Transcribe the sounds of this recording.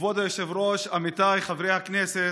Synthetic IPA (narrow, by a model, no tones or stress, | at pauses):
vɔd̪ajɛʃɛvɾoʃamit̪ajχavɾejhaknɛsɛ